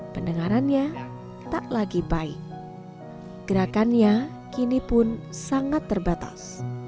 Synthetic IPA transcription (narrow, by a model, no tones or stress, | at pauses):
pəndəŋaɾanɲa | t̪aʔlaɡibaɪ̰k̚ | ɡ̥əɾakanɲa | kinipʊnsaŋat̪ːərbat̪a̰s